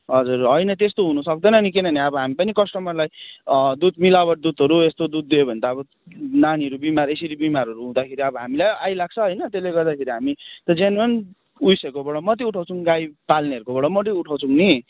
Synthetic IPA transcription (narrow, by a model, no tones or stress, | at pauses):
ɦʌd͡zurɦʌjnʌt̪est̪oɦunusʌk̚d̪ʌnʌnikenʌniʌbʌɦamipʌnikʌsʈʌmʌrlajd̪ud̪̚milawʌʈ̚d̪ut̪ʌɾuest̪od̪ud̪̚ːejobʱʌnd̪aʌbʌ | naniɦʌɾubimaɾeseɾibimaɾʌɾuɦũd̪akʰeɾiʌbʌɦamilajajlaɡ̚t͡sʰʌɦʌjnʌt̪eleɡʌrd̪akʰeɾiɦamit̪ʌd͡zenmen | ujsekobʌɽʌmʌt̪̬iuʈʰawt͡sʰuŋɡajpalneʌɾukobʌɽʌmʌt̪̬iuʈʰawt͡sʰuŋni